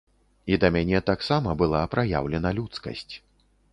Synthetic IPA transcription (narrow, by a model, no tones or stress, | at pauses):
id̪ɐmʲanʲɛt̪aksamɐbɨlˠapɾaja̰wlʲɛnɐlʲut̪skɐ̰sʲt͡sʲ